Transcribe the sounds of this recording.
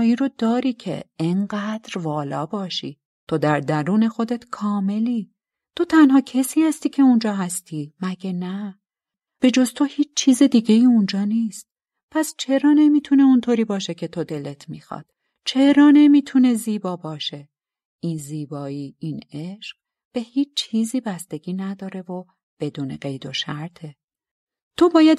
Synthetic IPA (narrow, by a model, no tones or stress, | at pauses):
iɾod̪ɒːɾiːcʰe̞̰eɴɢæːd̪̥ɾvɒːlɒ̰ːbɒːʃḭː | t̪ʰod̪æɾd̪æɾuːne̞xo̞d̪e̞t̪kʰɒːme̞liː | t̪ʰo̞t̪ʰænhɒːcʰesiːhæst̪iːcʰe̞und͡ʒɒːɦæst̪ʰiːmæɟænæ | b̥e̞d͡ʒo̞zt̪ʰo̞hiːt͡ʃʰt͡ʃʰiːzed̪iːɟe̞jiːund͡ʒɒːniːst̪̚ | pʰæst͡ʃʰe̞ɾɒːne̞miːt̪ʰune̞unt̪ʰoɾiːbɒːʃe̞cʰe̞t̪ʰo̞d̪e̞le̞t̪ʰmixɒ̰d̪̥ | t͡ʃʰe̞ɾɒːne̞miːt̪ʰune̞ziːbɒːbɒːʃe̞ | ʔiːnziːbɒːiːineʃq | b̥e̞hiːt͡ʃt͡ʃːʰiːziːbæst̪e̞ɟʲiːnæd̪ɒːɾe̞vo | b̥e̞d̪uːnḛɢe̞jd̪o̞ʃæɾt̪ʰe̞ | t̪ʰobɒːjæd̪